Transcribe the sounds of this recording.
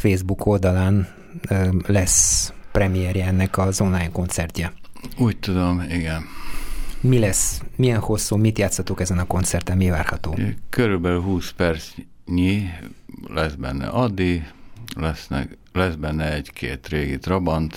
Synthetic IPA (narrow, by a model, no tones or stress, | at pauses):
feːzbukʰo̞ld̪ɒlaːnː | lɛsprɛmijɛɾjɛɛnːɛkɒzo̞nlaːjɲko̞nt̪sɛrc̪ɛuːc̚t̪ud̪o̞miɡɛn | milɛsmijɛnho̞sːuːmit̪jaːt̪shɒt̪ukɛzɛnɒko̞nt̪sɛrt̪ɛnmivaːrhɒt̪oːkøɾylbɛlyɦuːspɛrt̪s | ɲi | lɛzbɛ̰nːɛ̰ʔɒd̪ːiɡlɛsnɛ̰ | lɛzbɛnːɛɛɟkʰḛːt̪ɾeːɡit̪robɒnt̪